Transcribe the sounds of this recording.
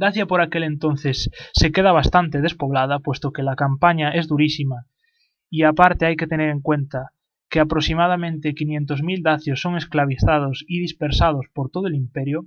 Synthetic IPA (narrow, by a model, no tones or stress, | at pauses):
d̪aθjapo̞ɾakelent̪on̟θesːe̞keð̞aβ̞ast̪ant̪e̞ð̞e̞spo̞β̞lað̞apwe̞st̪okelakampaɲae̞zðuɾisima | iapaɾt̪eajket̪e̞neɾe̞ŋkwent̪a | keapɾosimað̞amẽnt̪ekinjẽnt̪ozmild̪aθjosːo̞ŋesklaβ̞iθað̞osiðispeɾsað̞o̞spoɾt̪oðoelimpeɾjo